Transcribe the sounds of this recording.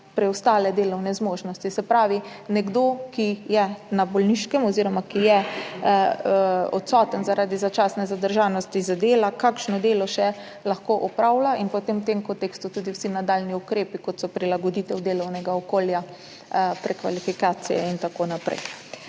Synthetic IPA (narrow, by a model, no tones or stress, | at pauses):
pɾɛwst̪aːlɛd̪eːlɔwnɛzmoːʒnɔst̪isɛpɾaːʋi | nɛɡd̪okijɛnabɔlniʃkɛmɔziɾɔmakijɛ | ɔ̰t̪sɔːt̪ənzaɾaːd̪izat͡ʃaːsnɛzad̪əɾʒanɔst̪izad̪eːlakakʃnɔd̪eːlɔʃɛ | laxkoʔɔpɾawlaʔinpɔt̪emwt̪emkɔnt̪ekst̪ut̪uːd̪iwsinad̪alniukɾeːpikɔt̪sɔpɾilaɡɔd̪it̪ɛwd̪eːlɔwnɛɡaɔkoːlja | pɾɛkʋa̰lifikaːt̪sḭjɛ̰int̪akonapɾɛ̰j